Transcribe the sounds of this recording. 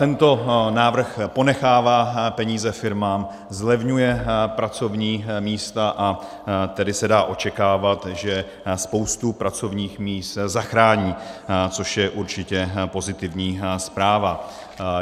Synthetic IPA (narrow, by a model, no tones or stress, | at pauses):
t̪ɛnt̪o̞naːvr̩xpo̞nɛxaːvaːpɛɲiːzɛfɪɾmaːm | zlɛvɲujɛpɾat͡so̞vɲiːmiːst̪aʔa | t̪ɛdɪsɛdaːʔo̞t͡ʃɛkaːvat̪ʒɛ | spo̞wst̪upɾat͡so̞vɲiːxmiːst̪zaxɾaːɲiːt͡so̞ʃjɛʔuɾt͡ʃɪcɛpo̞zɪt̪ɪvɲiːspɾaːva